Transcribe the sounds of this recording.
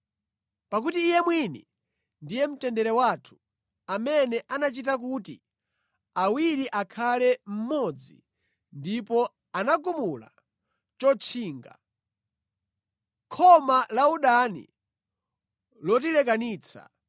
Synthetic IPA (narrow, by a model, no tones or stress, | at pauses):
pak̬utiːjɛmwini | ndijɛm̩tɛndɛɾɛwaːtʰu̥ | amɛnɛʔanat͡ʃitak̬uːtḭ | awiɾiʔakʰalɛm̩mɔd͡zḭ | ndipɔ | anakumula̰ | t͡ʃɔt͡ʃʰiːŋɡa̰ | kʰɔmalauɗanḭ | lɔtilɛk̬aniːt͡sʰa̰